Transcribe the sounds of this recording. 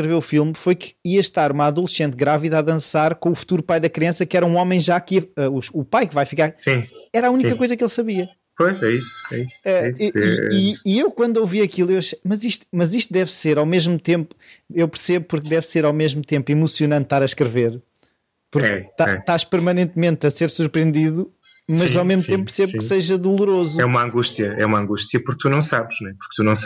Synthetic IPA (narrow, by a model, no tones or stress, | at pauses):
ʃkɾɨveufilˠmfojkʰɨ̥iɐʃt̪aɾumaðulˠʃẽnt̪̚ɣɾaviðaðɐ̃saɾkõufu̥t̪uɾupajðɐkɾiɐ̃sɐkɛɾɐũɔmɐ̃j̃ʒakiɐɛuʃupajkvajfikaɾsĩɛɾaunikɐkojzɐkelˠsɐβiɐ | pojʃɛisɛ̰isɛɛisiɛ̰iiewkwɐ̃nd̪ewviɐkilˠewɐʃejmɐziʃt̪u̥mɐziʃt̪̚d̪ɛvseɾawmeʒmut̪ẽmpu̥ewpɨɾseβupuɾk̚d̪ɛvseɾawmeʒmut̪ẽmpimusjunɐ̃nt̪ːt̪aɾɐʃkɾɨveɾ | puɾɛt̪aɛt̪aʃpɨɾmɐnẽnt̪mẽnt̪ɐseɾsuɾpɾiẽnd̪iðu | mɐzawmeʒmuẽmpɾseβukseʒɐðulˠuɾozɛumɐɐ̃ŋɡuʃt̪jɐɛ̰umɐ̃ŋɡuʃt̪jɐpuɾk̚t̪unɐ̃w̃saβʃnw̃ɛpuɾk̚t̪unɐ̃w̃sa